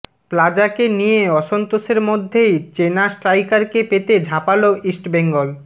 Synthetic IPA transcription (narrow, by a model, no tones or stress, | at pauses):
plad͡ʑakenijeɔʃont̪oʃeɾmod̪ʱːejt͡ɕenasʈɾajkaɾkepet̪ed͡ʑʱapaloisʈbeŋɡol